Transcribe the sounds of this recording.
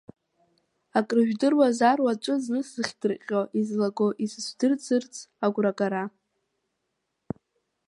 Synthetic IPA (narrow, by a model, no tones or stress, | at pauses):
akʼrɨʒᶣdɨrwazarwat͡ʃʷʼɨznɨsɨχʲdɨrqʲʼoʔizlaɡoʔisɨsʷdɨrd͡zɨrt͡sʼʰaɡʷrakʼaɾa